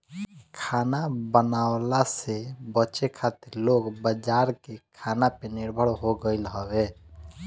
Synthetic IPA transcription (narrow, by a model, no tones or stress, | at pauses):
kʰanabənawlasebət͡ʃekʰat̪iɾloɡbəd͡ʒaɾkekʰanapeniɾbʱəɽɦoɡəɪlɦəbe